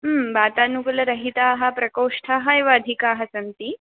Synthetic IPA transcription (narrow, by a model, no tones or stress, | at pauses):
ɦəmbaːt̪anuklɐɾɐɦit̪aːɦapɾɐkoʂʈʰaɦajʋaːd̪ʱikaːɦasɐnt̪iː